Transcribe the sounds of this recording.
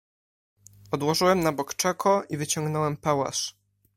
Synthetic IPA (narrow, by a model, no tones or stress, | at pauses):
ɔd̪wɔʐɘwɛmnabɔkt͡ʂɛkʰɔʔivɘt͡ɕɔŋɡnɔwɛmpawa̰ʂ